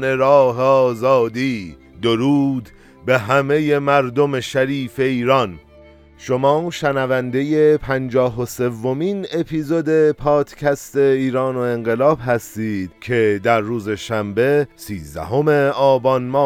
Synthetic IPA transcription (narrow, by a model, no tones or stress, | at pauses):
ne̞ɾɒːɦeɒːzɒːd̪iː | d̪oɾuːd̪ | be̞ɦæme̞je̞mæɾd̪o̞meʃæɾiːfe̞iːɾɒn | ʃomɒːʃænævænd̪e̞jepʰænd͡ʒɒːɦose̞vːomiːne̞pʰiːzod̪e̞pʰɒːd̪̥cʰæst̪e̞iːɾɒːno̞e̞ŋɢe̞lɒːbɦæst̪iːd̪̥cʰe̞d̪æɾːuːze̞ʃæmbe̞siːzd̪æ̰ɦo̞me̞ɒːbɒnmɒː